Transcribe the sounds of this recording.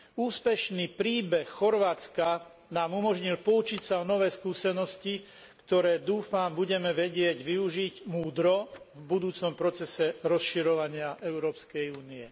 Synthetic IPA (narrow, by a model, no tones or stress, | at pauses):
uːspɛʃnipɾiːbɛxːɔɾʋaːt͡ska | naːmumɔʒɲilpɔut͡ʃicsaɔnɔʋɛːskuːsɛnɔsci | kt̪ɔɾɛːd̪uːfambuɟɛmɛʋɛɟɪɛɟʋiuʒiɟmuːd̪ɾɔvbud̪uːt͡sɔmpɾɔt͡sɛsɛɾɔsʃiɾɔʋaɲɪaʔɛʊɾɔːpskɛjuːniɛ